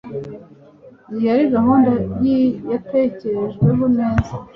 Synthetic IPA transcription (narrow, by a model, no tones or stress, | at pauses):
nijaɾiɡaɦuːndabjijatece̞ɾe̞ʒɡwe̞βuneːza